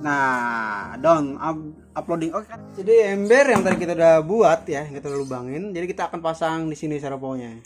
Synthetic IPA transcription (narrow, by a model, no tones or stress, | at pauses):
na | dɔŋa | aplodɪŋokd͡ʒadiɛmbɛrjaŋt̪aɾakit̪audabuat̪̚jakit̪alalubaŋɪnd͡ʒadikit̪aːkanpasaŋdisinis̬aɾopoɲa